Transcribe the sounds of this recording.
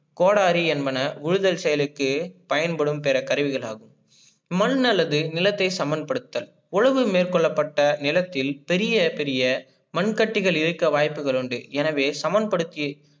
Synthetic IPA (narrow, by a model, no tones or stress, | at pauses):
koːɽaːɾiɛnbɐnɐʊɻɯðɐlsɛjɐlɯkːɯpɐjɐnpɐɽɯmpɛɾɐkɐɾɯʋɪɣɐɭa̰ːɣɯm | mɐnnɐlːɐðɯnɪlɐt̪ːɐɪsɐmɐnd̪̚pɐɽɯt̪ːɐːl | ʊɻɐʋɯmeːrkɔɭːɐpːɐʈːɐnɪlɐt̪ːɪlpɛɾɪjɐpɛɾɪjɐ | mɐɳkɐʈːɪɣɐɭɪɾɯkːɐʋaːjpːɯɣɐɭɯɳɖɯ̰ɛnɐʋeːsɐmɐn̚pɐɽɯt̪ːɪj